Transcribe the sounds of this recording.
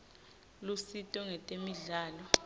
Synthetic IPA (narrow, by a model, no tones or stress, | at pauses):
lusitʼɔŋɛtʼemiɮaːlɔ